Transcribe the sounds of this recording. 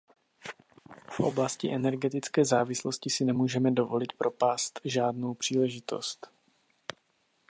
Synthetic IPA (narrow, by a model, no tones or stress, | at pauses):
fʔo̞̰blascɪʔɛnɛɾɡɛt̪ɪt͡skɛːzaːvɪsloscɪsɪnɛmuːʒɛmɛdo̞vo̞lɪt̪̚pɾo̞paːst̪ʒaːdnowpr̝̥iːlɛʒɪt̪o̞̰st̪